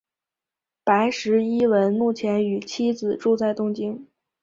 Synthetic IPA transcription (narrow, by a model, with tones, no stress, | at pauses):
pa˧˥ɪʂɻ̩˧˥i˥lə˧˥nmu˥˩t͡ɕʰjɛ˧˥ny˨˩t͡ɕʰi˥d͡zɹ̩˨˩ʈ͡ʂu˥˧t͡sa˥˩ɪt̪ʊ˥ŋt͡ɕi˥ŋ